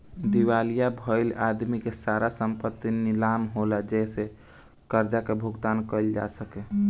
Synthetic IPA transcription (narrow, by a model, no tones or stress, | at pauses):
d̪iwalijabʱəɪlad̪mikesaɾasəmpət̪ːinilamɦolad͡ʒɛse | kəɾd͡ʒakebʱuɡt̪ankəɪld͡ʒa̰səkɛ